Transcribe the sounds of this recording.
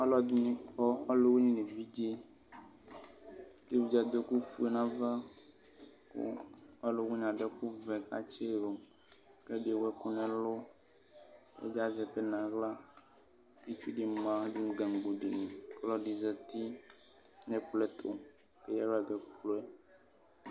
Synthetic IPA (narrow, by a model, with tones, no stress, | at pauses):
a˦lɔ˦d̪u˦nĩ˦kɔ˦a˦lo˦wu˦ɲĩ˦nẽ˨vi˦d͡ʒe˦ | ke˦vi˨d͡ʒa˨d̪o˦ku˦fu˦e˨nã˦va˦ | ko̰˦a˦lo˨wu˦ɲ˨ã˨ɖɛ˦ku˦vɛ˨ka̰˨t͡ʃe˦ɾo˨m | kɛ˦ɖi˨wɛ˦kʊ˦nɛ̃˨lo˦ | ḛ˦ɡa˨zɛ˨pɛ˦nã˨ɣla˦ | e˦t͡ʃu˦ɖi˨m˨ã˦du˦ŋ˦ɡa˨ŋ˨ɡ͡bo˨ɖi˨nĩ˨klɔ˦ɖi˨zɛ˨t̪i˦ | nɛ̃˨k͡plɛ˦t̪ʰo̰˨ | ke˦jɛ˦wa˨ɡɛ˨k͡plo˦ɛ˦